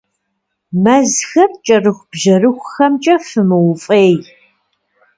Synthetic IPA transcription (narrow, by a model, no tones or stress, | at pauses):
mɐzxɐrt͡ʃʼɐrɨxʷb̥ʒɐrɨxʷʊxɐmt͡ʃʼɐfɨmɨwʊfʼeːj